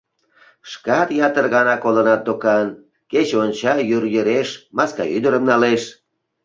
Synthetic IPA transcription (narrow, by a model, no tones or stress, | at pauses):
ʃkɑt̪jɑt̪ərɣɑnɑkolənɑt̪̚d̪okɑn | ket͡ɕonʲt͡ɕɑjyrjəɾeʃmɑskɑ̰yd̪əɾəmnɑleʃ